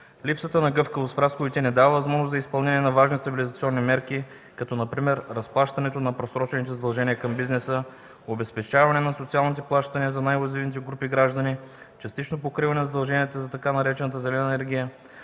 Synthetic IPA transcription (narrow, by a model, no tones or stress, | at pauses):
lipsət̪ənɐɡɤfkəvosfɾasxoit̪inɛd̪avəvɐzmɔʒnoszɐispɐlˠnɛnʲiɛnɐvaʒnist̪ɐbilizɐt̪siɔnːimɛɾki | kɐt̪ɔnɐpɾimɛɾːɐsplˠaʃt̪ɐnɛt̪onɐpɾosɾɔt͡ʃɛnit̪ɛzɐd̪ɐlˠʒɛniəkɐmbiznɛsə | obɛspɛt͡ʃavɐnɛnɐsot̪sialˠnit̪̬ɛplˠaʃt̪ɐniəzɐnajvɐzivnit̪̬ɛɡɾupiɡɾaʒd̪ɐni | t͡ʃɐst̪it͡ʃnopokɾivɐnɛnzɐd̪ɐlˠʒɛniət̪əzɐt̪ɐkanɐɾɛt͡ʃɛnət̪əzɛlɛnəɛnɛɾɡʲijə